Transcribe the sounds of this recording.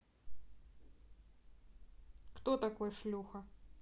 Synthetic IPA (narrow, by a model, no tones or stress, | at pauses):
kt̪ot̪akojʂlʲuxɐ